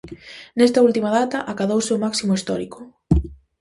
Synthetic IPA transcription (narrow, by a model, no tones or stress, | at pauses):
nɛst̪ɐult̪imɐðat̪ɐʔakaðowseʊmaksimoist̪ɔɾikʊ